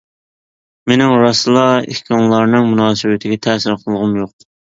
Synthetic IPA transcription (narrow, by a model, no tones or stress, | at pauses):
menɪŋɾɑsɨlˠɑḛhkʲʰɑŋlˠɑɾnɨŋmunɑːsɨwɪt̪ʰɪɡʲɛt̪ʰɛsɪɾqʰəlˠʁʊmjoq̚